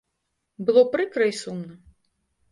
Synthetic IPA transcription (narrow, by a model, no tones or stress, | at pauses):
bɨlˠɔpɾɨkɾɐisumnɐ